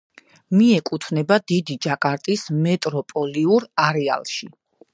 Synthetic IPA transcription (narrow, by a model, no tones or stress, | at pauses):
miɛkʼut̪ʰnɛbad̪id̪id͡ʒakʼaɾt̪ʼismɛt̪ʼɾɔpʼɔliuɾaɾɛa̰lˠʃi